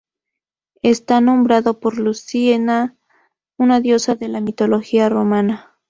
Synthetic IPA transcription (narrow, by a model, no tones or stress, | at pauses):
est̪anõ̞mbɾaðopo̞ɾlusiena | unaðjo̞saðe̞lamit̪o̞lo̞xiaro̞mana